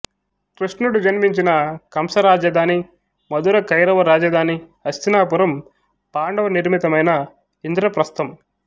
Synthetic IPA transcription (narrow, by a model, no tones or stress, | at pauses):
kɾiʂnuɽud͡ʒɐnmiɲt͡ʃinɐkɐmsɐɾaːd͡ʒɐd̪ʱaːni | mɐd̪uɾɐkɐjɾɐʋɐɾaːd͡ʒɐd̪ʱaːniɐst̪inaːpuɾɐm | paːɳɖɐʋɐniɾmit̪ɐmɐjnɐ | ind̪ɾɐpɾɐst̪ɐm